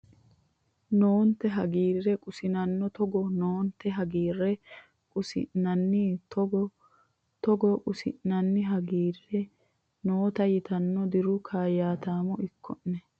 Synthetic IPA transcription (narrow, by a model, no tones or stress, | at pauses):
noːnt̪ɛɦɐɡiːrːɛkʼʊsɪnɐnːɔt̪ɔɡɔnoːnt̪ːɛɦɐɡiːrːɛ | kʼʊsɪ̰ʔnɐnːɪt̪ɔɡɔ | t̪ɔɡɔkʼʊsɪ̰ʔnːɐnːɪɦɐɡiːrːɛ | noːt̪ɐjɪt̪ɐnːɔd̪ɪɾʊkʰaːjaːt̪aːmɔɪkʰːɔnnɛ